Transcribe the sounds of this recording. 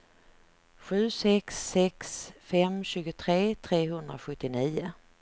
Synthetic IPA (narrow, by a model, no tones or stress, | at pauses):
ɧʉ̟ːsɛksːɛksfɛmɕʉ̟ːɡʊt̪ʰɾeːt̪ʰɾeːɦɵnd̪ɾaɧɵt̪ːɪniːʊ